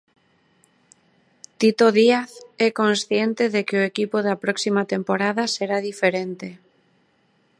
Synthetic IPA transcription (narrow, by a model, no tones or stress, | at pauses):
t̪it̪oðiaθɛkonsθjent̪eðekeoekipoðapɾɔksimat̪empoɾaðaseɾaðifeɾent̪e